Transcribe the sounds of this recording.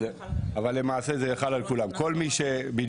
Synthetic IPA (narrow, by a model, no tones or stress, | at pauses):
e | avalːemaːsezejaχalalkulamko̞lmiʃebid̪